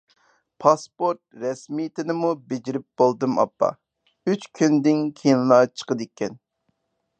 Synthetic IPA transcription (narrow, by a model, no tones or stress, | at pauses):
pʰɑspoɾt̪̚ɾɛsmijt̪ʰɪnɪmubed͡ʒiɾɪp̚b̥olˠd̪ɨmɑ̰pːɑ̰ | yt͡ʃkʲʰynd̪ɪnkʲʰejinlˠɑt͡ʃʰə̥qəd̪ɪkʲʰːɛn